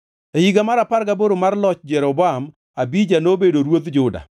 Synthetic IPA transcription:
ejiɡamaɾapaɾɡaboɾomarlɔt͡ʃd͡ʒɛɾɔbɔam | abid͡ʒanobedoɾwot̪d͡ʒʊda̰

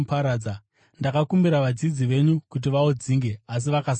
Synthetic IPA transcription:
paɾaːd͡za | ndakakumbiɾaʋad͡zid͡ziʋe̞ɲukut̬iʋaod͡ziːŋɡe̞as̬iʋakas

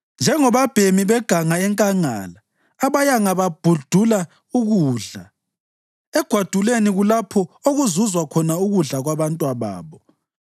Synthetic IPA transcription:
nd͡ʒʱɛŋɔβab̥ʱemiβɛɡ̥ʱaŋaɛŋkʼaŋa̰ːlaː | βajaŋaβab̥ʱud̥ʱula | uɣuːɮa | ɛɡ̥ʱwad̥ʱuleniɣulapʰɔoɣuzuzwakʰɔnauɣuɮaɣwaβantʼwaβa̰ːβɔ

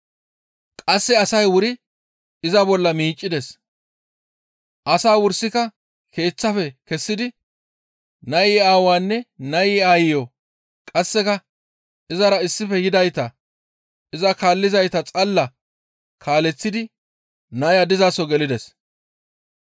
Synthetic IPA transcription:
kʼɐsːɛɐsɐjwʊɾɪ | ɪzɐbɔlːɐmiːt͡ʃʼːɪd̪ɛs | ʔɐsaːwʊɾsːɪkɐ | kʰe̞ːt͡sːɐfɛkɛsːɪd̪ɪ | nɐjɪaːwaːnːɛnɐjɪaːjɪjo | kʼɐsːɛkɐ | ɪzɐɾɐɪsːɪfɛjɪd̪ɐjt̪ɐ | ɪzɐkaːlːɪzɐjt̪ɐt͡sʼɐlːɐ | kʰaːlɛt͡sːɪd̪ɪ | nɐjɐd̪ɪzasɔɡɛlɪd̪ɛs

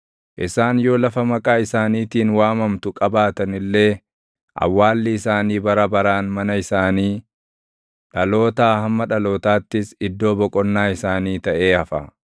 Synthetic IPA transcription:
ʔɪsaːnjo̞ːlɐfɐmɐkʼaːɪsaːniːt̪iːnwaːmɐmt̪ʊkʼɐbaːt̪ɐnɪlːe̞ː | ʔɐ̰wːaːlːɪɪsaːniːbɐɾɐbɐɾaːnmɐnɐɪsaːniː | ᶑɐlo̞ːt̪aːhɐmːɐᶑɐlo̞ːt̪aːt̪ːɪsɪd̪ːo̞ːbɔkʼɔnːaːɪsaːniːt̪ɐʔe̞ːɐfɐ

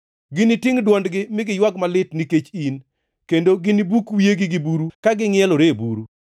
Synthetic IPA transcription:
ɡɪnitɪŋdwɔndɡɪmɪɡɪjwaɡmalɪtniket͡ʃin | kendoɡɪnibukwieɡɪɡɪbuɾukaɡɪŋjɛloɾebuɾu

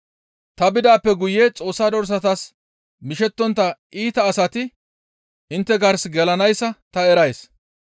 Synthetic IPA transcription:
t̪ɐbɪd̪aːpːɛɡʊjet͡sʼo̞ːsːaːd̪ɔɾs̬ɐt̪ɐs | mɪʃɛt̪ːɔnt̪ːɐʔiːt̪ɐːsɐt̪ɪ | ʔɪnt̪ːɛɡɐɾsɡɛlɐnɐjsːɐt̪ɐɛɾɐjs

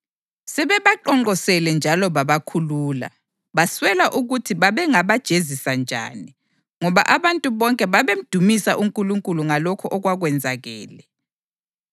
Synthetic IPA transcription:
sɛβɛβaǃɔŋ͡ǃɔsɛlɛnd͡ʒʱalɔβaβakʰuluːla̰ | βaswɛlaʔuɣutʰiβaβɛŋaβad̥ʒ̥ʱezisand͡ʒʱa̰ːni | ŋɔβa̰ʔaβantʼuβɔŋkʼɛβaβem̩d̥ʱumisaʔuŋkʼuluŋkʼuluŋalɔkʰɔʔɔɣwaɣwɛnd͡zʱaɣɛ̰ːlɛ

